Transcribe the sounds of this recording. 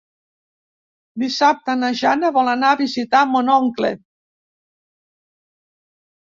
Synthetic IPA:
d̪isap̚t̪anaʒanaβɔlanaːβizit̪amonɔŋklḛ

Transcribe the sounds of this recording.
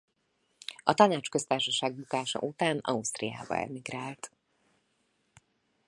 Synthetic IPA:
ɒt̪ɒnaːt͡ʃkø̞st̪aːrʃɒʃaːɡbukaːʃɒ̰ʔut̪aːnɒ̰ust̪rija̰ːbɒ̰ɛ̰miɡraːlt̪

